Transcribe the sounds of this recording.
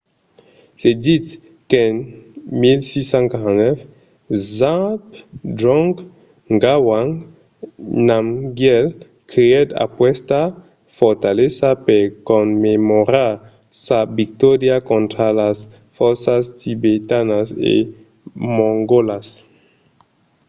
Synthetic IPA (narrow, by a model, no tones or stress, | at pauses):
sed̪it̪ | kenmilsisãŋkaanɛf | zãpdɾɔ̃ŋɡ | ŋɡawaŋ | nãmɡjɛl | kiɛd̪a̰pwɛst̪a | fɔɾt̪alesapeɾkomːemoɾaɾ | sabik̚t̪ɔɾjakõnt̪ɾalas | fɔɾsast̪ibet̪anasḛ | mõŋɡolas